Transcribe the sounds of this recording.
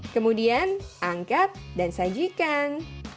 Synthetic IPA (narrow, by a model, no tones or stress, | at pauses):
kəmudianʔaŋkat̚dansad͡ʒikan